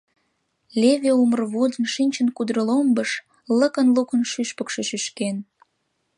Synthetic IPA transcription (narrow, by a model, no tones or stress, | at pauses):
lʲeβeumərβod̪ənʃinʲt͡ɕənkud̪ɾəlombəʃ | ləkənlukənʃyʃpəkʃeʃyʃken